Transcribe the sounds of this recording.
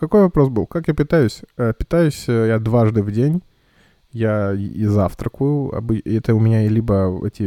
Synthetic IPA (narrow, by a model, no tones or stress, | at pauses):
kɐko̞jvɐpɾo̞sbɨlˠkakjapʲɪt̪ajʊsʲəpʲɪ̥t̪ajʊsʲjad̪vaʐd̪ɨvdʲenʲ | jaizaft̪ɾəkʊjʊɐ̰bɨɛt̪əʊmʲɪnʲaɪlʲibəɛ̰tʲɪ